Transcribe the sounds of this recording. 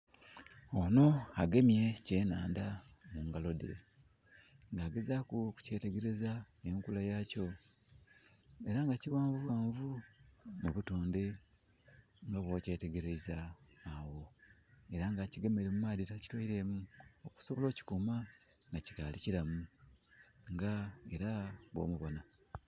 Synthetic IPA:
ono̞aɡe̞mje̞ce̞ːnaːnda | muŋɡalo̞de | ŋɡaːɡe̞zakuku̥ce̞ːte̞ɡe̞ɾe̞za | eŋkulajaco̞ | e̞ɾaŋɡaciwaːɱvuβwaːɱvumuβutoːnde | ŋɡaβwo̞ːce̞ːte̞ɡe̞ɾe̞zaːwo̞e̞ɾaŋɡaciɡemeɾemumaːditaci̥twaiɾe̞muoku̥so̞βolo̞ːci̥kumaŋɡaci̥kaːliciɾamu | ŋɡae̞ɾaβwo̰muβo̞na

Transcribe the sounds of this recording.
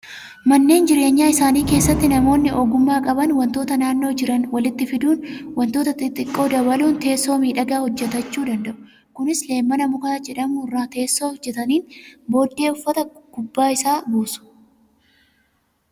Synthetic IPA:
mɐnːe̞ːnd͡ʒɪɾe̞ːɲːaːɪsaːniːke̞ːsːɐt̪ːɪnɐmo̞ːnːɪʔoɡʊmːaːkʼɐbɐnwɐnt̪o̞ːt̪ɐnaːnːo̞ːd͡ʒɪɾɐnwɐlɪt̪ːɪfɪd̪uːnwɐnt̪oːt̪ɐt̪ɪt̪ʼɪkʼːo̞ːd̪ɐβɐluːnt̪e̞ːsːo̞ːmiːᶑɐɡaːhɔd͡ʒːɛt̪ɐt͡ʃːuːd̪ɐnd̪ɐʔʊ̥ | kʊnɪsle̞ːmːɐnɐmʊkad͡ʒɛᶑɐmuːrːaːt̪e̞ːsːo̞ːhɔd͡ʒːɛt̪ɐniːnbo̞ːd̪ːe̞ːʊfːɐt̪ɐɡʊbːaːɪsaːbuːsʊ̥

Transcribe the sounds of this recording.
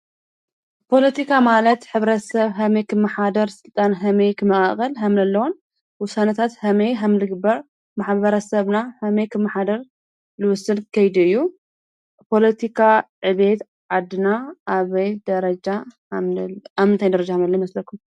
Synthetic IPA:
pʰo̞lɐt̪ʰikʰamalɐt̪ħɨβɾɐsɐβɦɐmejkʰɨmːɐħad̪ɐɾsɨlt̪ʼanɦɐmejkʰɨmɐʔʼaχʼɐlɦamlɐlːɐwon | wʊsanɐt̪ʰat̪hɐmejɦamlɨɡɨbɐɾ | maħβɐɾɐsɐβnahɐmejkʰɨmːɐħad̪ɐɾ | lɨwʊsɨnkʰɐjd̪uɨjːu | pʰo̞lɐt̪ʰikʰaʕɨβe̞t̪ | ʕad̪ɨnaʔaβɐjd̪ɐɾɐd͡ʒa | amɨnt̪ʰajd̪ɐɾɐd͡ʒahmnɐlːɐjimɐslɐkʰːum

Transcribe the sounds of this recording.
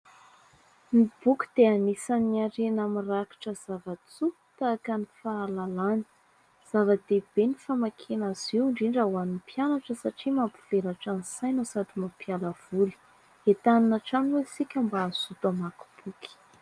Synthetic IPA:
nib̥ukʲi̥d̪̥eanisaniaɾenamiraki̥ʈ͡ʂəz̥avat͡su | t̪akanifaːlalani̥ | z̥avəd̪̥eb̥enifamakʰenaziwɳɖ͡ʐiɳɖ͡ʐawanipjanaʈ͡ʂəsaʈ͡ʂimapu̥v̥eɾaʈ͡ʂanisajnosad̪imapjaləv̥uli̥ | et̪aninaʈ͡ʂanwesikʲambaːz̥ut̪amaku̥b̥uki̥

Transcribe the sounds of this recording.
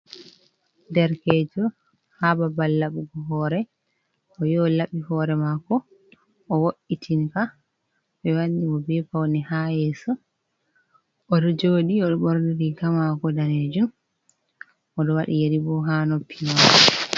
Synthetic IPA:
dɛɾkɛd͡ʒɔ | hababalːaɓuɡɔɦɔɾɛ | ɔjɔlaɓihɔɾɛmakɔ | ʔɔwoʔːitʰinka | ɓɛwanːimɔbɛfawnɛhajɛːsɔ | ʔɔɗɔd͡ʒoːɗiɔɗɔɓɔɾniɾikamakɔdaned͡ʒum | ʔɔɗɔwaɗijeɾibɔɦanopʰːimakɔ

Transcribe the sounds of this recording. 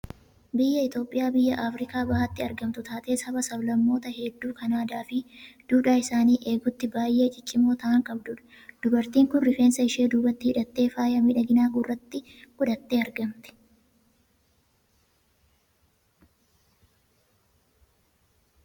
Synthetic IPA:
bɪjːɐɪt̪o̞ːpʼːɪjaːbɪjːɐʔaːfɾɪkaːbɐhɐt̪ːɪɐɾɡɐmt̪ʊt̪aːt̪ʼe̞ːsɐbɐsɐblɐmːo̞ːt̪ɐhɛd̪ːuːkɐnaːd̪aːfɪd̪̥uːᶑaːɪsaːniːʔe̞ːɡʊt̪ːɪbaːjʔːe̞ːt͡ʃʼɪt͡ʃʼːɪmoːt̪ɐʔɐŋkʼɐbd̪ʊᶑɐ̥ | d̪̥ʊbɐɾt̪iːŋkʊnrɪfeːnsɐɪʃeːd̪uːbɐt̪ːɪɪᶑɐt̪ːe̞ːfaːjɐmɪᶑɐɡɪnaːɡʊrːɐt̪ːɪɡʊᶑ̪ɐt̪ːe̞ːɐɾɡɐmt̪ɛ̥

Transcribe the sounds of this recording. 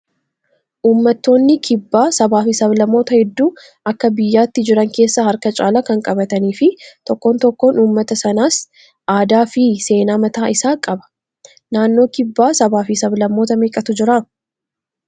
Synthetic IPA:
ʔuːmːɐt̪ːo̞ːnːɪkʰɪbːaːsɐbaːfɪsɐβlɐmːo̞ːt̪ɐhɛd̪ːuː | ɐkːɐbɪjːaːt̪ːɪd͡ʒɪɾɐŋke̞ːsːɐhɐɾkɐt͡ʃʼaːlɐkɐŋkʼɐbɐt̪ɐniːfɪt̪ɔkːo̞ːnt̪ɔkːo̞ːnuːmːɐt̪ɐsɐnaːs | ʔaːd̪aːfɪse̞ːnaːmɐt̪aːɪsaːkʼɐbɐ̥ | naːnːo̞ːkɪbːaːsɐbaːfisɐblɐmːo̞ːt̪ɐmeːkʼɐt̪ʊd͡ʒɪɾɐ

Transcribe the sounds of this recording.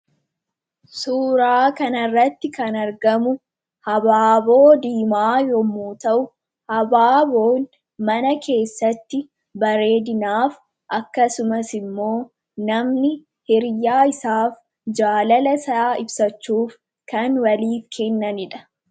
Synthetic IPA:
suːɾaːkɐnɐrːɐt̪ːɪkɐnɐɾɡɐmʊ | hɐbaːbo̞ːd̪iːmaːjɔmuːt̪ɐʔʊ | hɐbaːbo̞ːn | mɐnɐkʰe̞ːsːɐt̪ːɪ | bɐɾe̞ːd̪ɪnaːf | ʔɐkːɐsʊmɐsɪmːo̞ː | nɐmnɪ | hɪɾjaːɪsaːf | d͡ʒaːlɐlɐsɐaːɪbsɐt͡ʃːuːf | kɐnwɐliːfkʰɛnːɐnɪᶑɐ̥

